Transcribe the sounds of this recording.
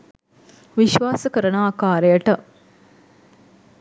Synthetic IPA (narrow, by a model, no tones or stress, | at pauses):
ʋiʃʋaːsəkəɾənaːkaːɾəjəʈə